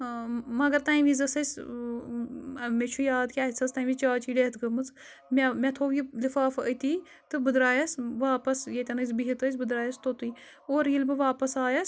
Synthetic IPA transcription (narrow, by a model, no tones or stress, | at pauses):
mɐɡɐɾt̪aːjʋizɐsɐs | met͡ʃʰujaːd̪kʲaːsʰɐst̪aːjʋit͡ʃaːt͡ʃʰiːɖeːt̪ɡɐmɨt͡s | mʲɐmʲɐt̪ʰoːʋilifaːfət̪iː | t̪ɨbɨd̪ɾaːjɐsʋaːpɐsjet̪ʲɐnɐzbiɦit̪əs̬ʲbɨd̪ɾaːjɐst̪ot̪ɨː | oːɾjilbɨʋaːpɐsaːjɐs